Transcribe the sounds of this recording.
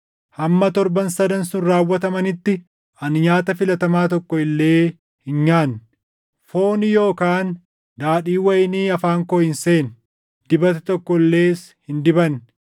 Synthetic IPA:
hɐmːɐt̪ɔɾbɐnsɐd̪ɐnsʊnɾaːwːɐt̪ɐmɐnɪt̪ːɪ | ɐnɲaːt̪ɐfɪlɐt̪ɐmaːt̪ɔkːɔɪlːe̞ː | hɪnɲaːn | fo̞ːnɪjo̞ːkaːn | d̪aːᶑiːwɐjɪniːɐfaːŋkoːɪnse̞ːn | d̪̥ɪbɐt̪ɛt̪ɔkːɔlːe̞ːs | hɪnd̪ɪbɐn

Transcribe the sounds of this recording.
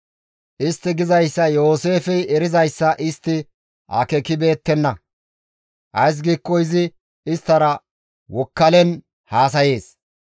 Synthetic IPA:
ʔɪst̪ːɪɡɪzɐjsːɐjo̞ːse̞ːfɛɛɾɪzɐjsːɐʔɪst̪ːɪ | ʔɐ̰kɛkɪbe̞ːt̪ːɛnːɐ | ʔɐjs̬ɡiːkːɔjɪzɪ | ɪst̪ːɐɾɐ | wɔkːɐlɛn | haːs̬ɐje̞ːs

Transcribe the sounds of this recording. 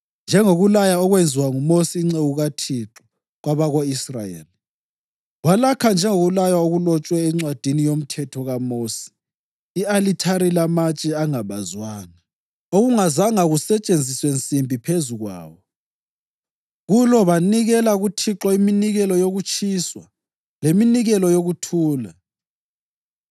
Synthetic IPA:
nd͡ʒʱɛŋoɣulajaɔɣwend͡zʱiwaŋumosiːŋ͡ǀeɣuɣatʰiǁɔ | ɣwaβaɣoisrajḛːli | ɣwalakʰand͡ʒʱɛŋoɣulajaoɣulɔt͡ʃʼwɛːŋ͡ǀwad̥ʱinijom̩tʰɛtʰɔɣamoːsi̥ː | alitʰaɾilamat͡ʃʼɛaŋaβazwaːŋa | oɣuŋazaŋaɣusɛt͡ʃʼend͡zʱiswent͡sʼimbʱipʰezuɣwa̰ːwɔ | ɣulɔβaniɣɛlaɣutʰiǁɔiminiɣɛlɔjoɣut͡ʃʰʼiːswa | leminiɣɛlɔjoɣutʰuːla

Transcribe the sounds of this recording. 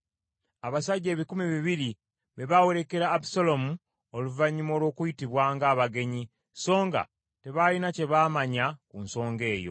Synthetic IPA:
aβasaɟːe̞ːβikumiβiβiɾi | βeβawo̞ɾe̞ke̞ɾaːbu̥solo̞mu | oluvaɲːimo̞ːlwo̞ːkujitiβwaːŋɡaːβaɡe̞ɲi | so̞ːŋɡa̰ | te̞βalinace̞βaːmaɲakunso̞ːŋɡe̞ːjo̞̰

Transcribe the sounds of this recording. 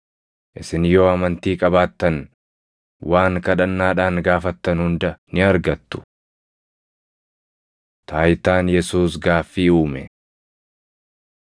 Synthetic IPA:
ʔɪsɪnjo̞ːɐmɐnt̪iːkʼɐbaːt̪ːɐn | waːŋkɐᶑɐnːaːᶑaːŋɡaːfɐt̪ːɐnhʊnd̪ɐnɪɐɾɡɐt̪ːʊ̥ | t̪ʰaːjt̪aːnjɛsuːsɡaːfːiːuːmɛ

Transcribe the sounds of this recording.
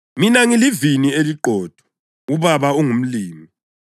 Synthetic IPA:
minaŋilivinieliǃʱɔːd̥ʱɔ̥ | uβaβauŋum̩liːmi

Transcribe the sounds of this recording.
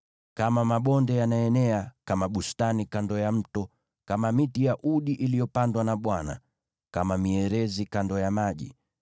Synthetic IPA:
kamamaɓɔndɛjanaɛnɛakamaɓustanikandɔjam̩tɔ | kamamitijaʔuɗiʔilijɔpandwanaɓwana̰ | kamamiɛɾɛzikandɔjamaʄḭ

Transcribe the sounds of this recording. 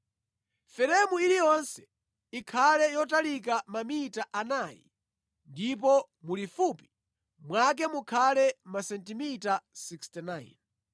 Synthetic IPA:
fɛɾɛmuilijɔnsɛ̥ | ikʰalɛjɔtalik̬amamitaʔanajḭ | ndip̬ɔ | mulifupi̥ | mwak̬ɛmukʰalɛmasɛntimitasikstinajn

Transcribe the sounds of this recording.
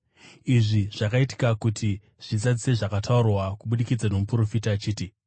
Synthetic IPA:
iʐiʐ̥akaiti̥kakutʰi | ʐ̥id͡zad͡zise̞ʐakatʰaurwakuɓuɗikid͡zano̞mupuɾo̞fitaːt͡ʃiːti

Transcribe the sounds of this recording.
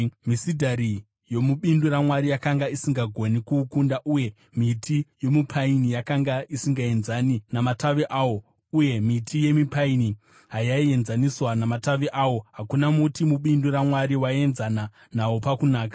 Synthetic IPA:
misidʱaɾi | jo̞muɓinduɾamwaɾijakaŋɡaisiŋɡaɡʱo̞nikukundaʔuje̞ | mitʰijo̞mupʰainijakaŋɡaisiŋɡae̞nzaninamataʋeʔawo̞ | uje̞mitʰije̞mipaini | ɦajaie̞nzaniswanamataʋeʔawo̞ɦakunamutimuɓinduɾamwaɾiwae̞nzana | nawo̞pakunaːkḁ

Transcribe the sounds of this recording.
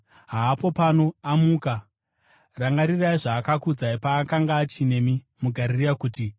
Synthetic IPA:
ɦaːpo̞pano̞amuːka | raŋɡaɾiraiʐaːkakud͡zaipaːkaŋɡaːt͡ʃine̞mi | muɡʱaɾiriakuːti

